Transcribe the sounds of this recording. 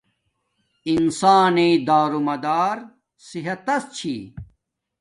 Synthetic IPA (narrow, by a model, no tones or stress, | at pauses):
insaːneːd̪aːɾumɐd̪aːɾ | siɦɐt̪ɐst͡ɕʰḭː